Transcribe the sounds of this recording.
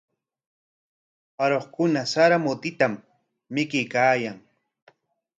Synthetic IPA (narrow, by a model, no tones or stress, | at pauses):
aɾoχkʊnasaɾamʊt̪ɪt̪amː | ɪkɪjkaːjaŋ